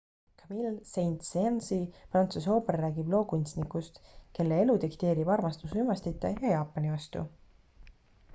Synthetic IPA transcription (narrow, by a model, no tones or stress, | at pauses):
kʰɑmilse̞jnt̪sensiprɑnt̪suso̞ːpˑerːæːɡib̥lo̞ːkunʲt̪snikːˑust̪ke̞lːeelut̪ikt̪e̞ːɾib̥ɑrmɑst̪usymɑst̪it̪ˑːejɑjɑːpˑːɑnivɑst̪ṵ